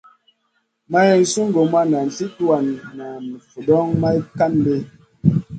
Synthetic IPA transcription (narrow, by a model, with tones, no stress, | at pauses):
ma˦ɛ˦n̩˦su˦ŋ˦ɡo˨ma˦na˨n̩˨ti˦tu˦a˨nːa˨mi˨fu˨dɔ˦ŋma˦i˦ka˦nbe˦